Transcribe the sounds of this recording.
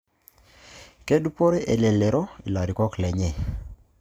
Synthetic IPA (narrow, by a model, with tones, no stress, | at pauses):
ke˦du˦po˦ɾe˦ʔe˨le˨le˨ɾɔ˦i˨la˨ɾi˨kɔ˦klɛ˨ɲɛ˦˨